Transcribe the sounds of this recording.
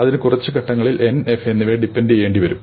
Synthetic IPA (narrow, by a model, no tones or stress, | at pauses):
ɐðinɨkurɐt͡ɕːɨkɐʈːɐŋːɐɭilʔe̞nefe̞nːiʋeːɖipːenɖejeːɳɖiʋɐɾum